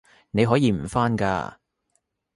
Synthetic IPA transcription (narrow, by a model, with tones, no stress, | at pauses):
ne˨˧jɦɔː˨˥jiː˨˧m̩˨˩faː˥nka̰ː˧